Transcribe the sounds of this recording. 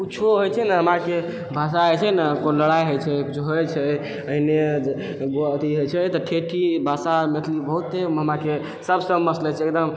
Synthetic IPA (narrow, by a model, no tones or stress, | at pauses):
uːt͡ʃʰoɦojt͡ʃʰɛnaɦəmake | bʱasaɦɛjt͡ʃʰɛnakonləɽajɦojt͡ʃʰɛkut͡ʃʰɦojt͡ʃʰɛ | əɦine | ɡoat̪iɦojt͡ʃʰɛt̪ɔʈʰeʈʰibʱasamet̪ʰlibəɦut̪ːeɦəmake | səbsəbməslɛt͡ʃʰɛek̚d̪əm